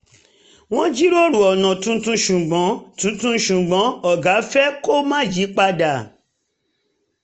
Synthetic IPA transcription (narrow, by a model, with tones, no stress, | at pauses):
w̃ɔ̃˦d͡ʒi˦ɾo˦ɾu˨ɔ˨nã˨tũ˧˦tũ˧˦ʃu˨ɡ͡bɔ̃˨˦tũ˨˦tũ˦ʃũ˨ɡ͡bɔ̃˨˦ɔ˨ɡa˨˦fɛ˦ko˦mãː˦˨d͡ʒi˨˦k͡pa˧da˨